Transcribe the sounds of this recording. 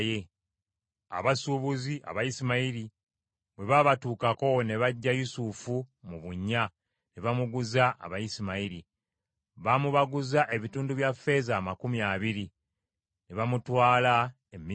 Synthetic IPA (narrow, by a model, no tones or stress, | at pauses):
je | a̰βasuβuziʔa̰βajisimaiɾi | βwe̞βaβatuːkako̞ne̞βaɟːajusufumuβuɲːa | ne̞βamuɡuzaʔa̰βajisimaiɾi | βamuβaɡuzaʔe̞βituːnduβjafːe̞ːzaːmakumiaβiɾi | ne̞βamutwaːla | emːi